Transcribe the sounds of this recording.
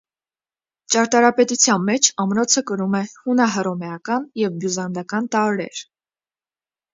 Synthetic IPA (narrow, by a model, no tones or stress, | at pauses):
t͡ʃɑɾt̪ɑɾɑpɛt̪ut͡sʰjɑnmɛt͡ʃʰɑmɾɔt͡sʰəkəɾumɛhunɑɦəɾɔmɛɑkɑnjɛvbjuzɑnd̪ɑkɑnt̪ɑɾɾɛ̰ɾ